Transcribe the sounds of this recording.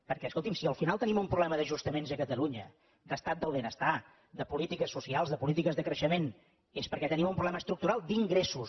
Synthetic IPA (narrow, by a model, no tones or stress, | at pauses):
pəɾkɛskolˠt̪imsiəlˠfinalˠt̪ənimumpɾuβlɛməðəʒust̪əmenzəkət̪əluɲə | d̪əst̪at̪̚d̪əlˠβenəst̪a | d̪əpulit̪ikəsːusialˠzðəpulit̪ikəzðəkɾəʃəmen | espəɾkɛt̪ənimumpɾuβlɛməst̪ɾuk̚t̪uɾalˠd̪iŋɡɾesus